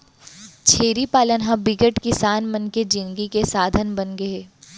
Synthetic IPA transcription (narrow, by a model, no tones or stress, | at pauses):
t͡ʃʰeːɾipaːlənɦãbɪɡəʈkɪsaːnmɐnked͡ʒɪ̃ŋɡikesaːd̪ʱənbɐnɡɐeː